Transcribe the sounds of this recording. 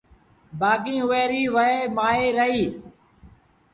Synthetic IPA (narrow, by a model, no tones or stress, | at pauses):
baːkĩːɦʊʋeːɾiːʋəeːmaːeːɾəɦiː